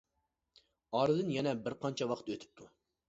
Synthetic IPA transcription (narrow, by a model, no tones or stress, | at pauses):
ɑɾɨd̪ɨnjɛnɛbɪɾqʰɑnt͡ʃʰɛwɑqʰt̪øt̪ʰy̥p̚t̪ʰu